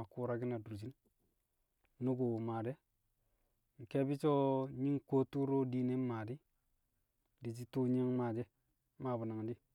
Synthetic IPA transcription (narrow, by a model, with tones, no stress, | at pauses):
a˨ku˦ɾa˦ɡi˦na˨du˨ɾd͡ʒ̬i˦n | nu˦ɡo˨ma˨de˦ | ŋ̩˨ke˦bi˦t͡ʃo˦ɲi˦ŋko˦tu˦ɾo˦di˦ne˦ma˨di˦ | di˨t͡ʃi˦tu˦ɲ˦a˦ŋma˨de˦ | ma˨bu˨na˨ŋ˨di˦